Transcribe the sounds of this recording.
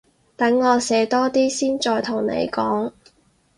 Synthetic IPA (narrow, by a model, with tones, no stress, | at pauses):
t̪ɐ˨˥ŋːɔː˨˧sɛː˨˧˥t̪ɔː˥t̪iː˥siː˥nt͡ʃɔː˧jt̪ʰʊ˨˩ŋnḛ˨˧jkɔː˨˥ŋ